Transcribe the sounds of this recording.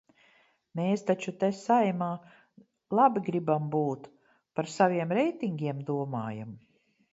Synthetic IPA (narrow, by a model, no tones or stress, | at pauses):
meːst̪at͡ʃut̪esajmaː | lˠabiɡɾibambuːt̪ | paɾsavʲiɛmɾɛjt̪iŋɡʲiɛmd̪uɔma̰ːja̰m